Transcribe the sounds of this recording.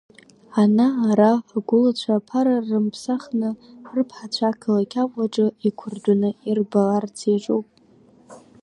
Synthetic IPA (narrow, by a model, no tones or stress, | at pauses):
anaːɾaħaɡʷʊlat͡ɕʷʰapʰaɾarːɨmpʰsaχnɨrɨpʰħat͡ɕʷʰakʰalakʲʰaqʷʼaʈ͡ʂʼɨikʷʰʊrdʷanɨirbalart͡sʰeʐʼowpʼ